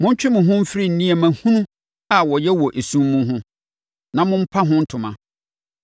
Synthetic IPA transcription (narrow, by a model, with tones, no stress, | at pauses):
mʊ̃˦ɲ̩˦t͡ɕᶣɪ˦mʊ̃˨ɦʊ̃˦m̩˦fɪ˦ɾi˦˨n̩˨nĩ˦e˨mæ̃˨hũ˦nũ˦ | a˨wɔ˨jɛ˦wɔ˨ʔe˨sũ˦mː˦ũ˦ɦʊ̃˦ | nã˨mʊ̃˦m̩˦pʰa˦ɦʊ̃˦n̩˦tʰʊ̃˨mã̰˨